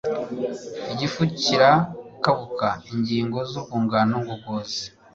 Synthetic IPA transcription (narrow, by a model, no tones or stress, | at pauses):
iɟifuciɾakaβukaiɲɟiːŋɡo̞zukuːŋɡaːnoŋɡuɡoːzi